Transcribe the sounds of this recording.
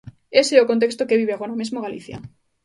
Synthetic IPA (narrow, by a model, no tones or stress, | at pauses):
eseɛokont̪̬ekst̪okeβ̞iβeaɣoɾamezmoɣalḭθja̰